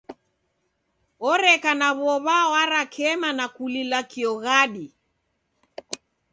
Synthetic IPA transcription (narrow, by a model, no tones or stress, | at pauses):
ɔɾɛkanaβɔβawaɾakʰɛmanakulilakiɔɣaɗi